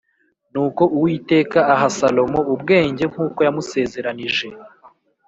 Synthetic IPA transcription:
nuːko̞ʔuwiːte̞ːkaːɦasalo̞mo̞ubɡe̞ːɲɟe̞ŋ̥huːko̞jamuse̞ːze̞ɾaniʒe̞

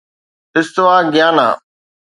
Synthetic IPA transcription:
ɪst̪ɪʋaːɡjaːna̰ː

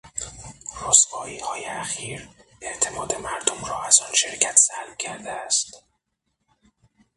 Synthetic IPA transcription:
rosvɒːiːhɒːjeæxiːɾeʔt̪ʰe̞mɒːd̪e̞mæɾd̪omrɒːæzɒːnʃeɾcʰæt̪ʰsælmcʰæɾd̪eæst̪

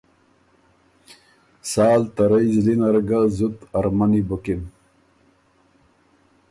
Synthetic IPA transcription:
saːlt̪ɐɾɐizlinɐɾɡazut̪ɐɾmanibokin

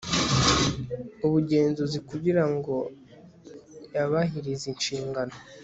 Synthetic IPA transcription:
uβuɟe̞ːnzuzikuɟiɾaŋɡo̞ | jaβaɦiɾizinʃiːŋɡano

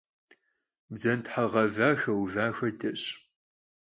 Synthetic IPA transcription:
bzɐntħaʁɐvaːxɐwvaːxɐdɐɕ

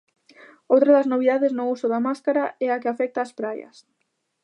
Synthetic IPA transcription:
owt̪ɾaðaznoβ̞iðaðeznʊusʊðamaskaɾaɛakeafɛk̚t̪aːspɾajɐ̰s

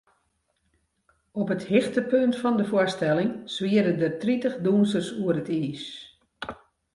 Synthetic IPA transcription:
ɔpəthɪxtəpøntfɔndəfastɛlɪŋsʋiəɾədətritəχdunsərsuərətiːs

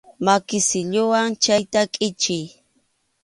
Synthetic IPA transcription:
makɪsɪʎʊwaŋt͡ʃajt̪akʼɪt͡ʃɪj

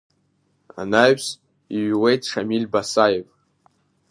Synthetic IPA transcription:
a̰naɥs | iɥwejtʰʂamilbasajev

